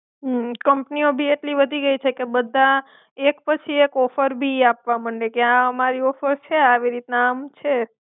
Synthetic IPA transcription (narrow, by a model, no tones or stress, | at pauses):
ɦkəmpniobʱieʈliʋəd̪ʱiɡəit͡ʃʰekebəd̪ʱːa | ekpət͡ʃʰiekɔfəɾbʱiapʋaməɳɖekjãəmaɾiɔfəɾt͡ʃʰeaʋiɾit̪naamt͡ʃʰe